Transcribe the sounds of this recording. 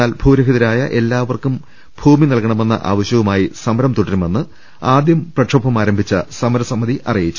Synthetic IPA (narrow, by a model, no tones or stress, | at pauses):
aːlbʱuːɾɐɦiðɐɾaːjɐ̰ʔe̞lːaːʋɐrkum | bʱuːminɐlkɐɳɐme̞nːɐ̰ʔa̰ːʋɐɕjɐʋumaːjisɐmɐɾɐmt̪uɽɐɾume̞nːɨ | aːd̪jɐmprɐʈʂʰɐbʰʱɐmaːɾɐmbʱit͡ɕːɐsɐmɐɾɐsɐmːɐðiʔɐ̰rijit͡ɕːu̥